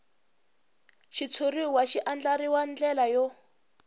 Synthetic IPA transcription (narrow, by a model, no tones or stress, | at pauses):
ʃit͡sʰoriwaʃiʔand͡ɮaɾiwand͡ɮɛlajɔ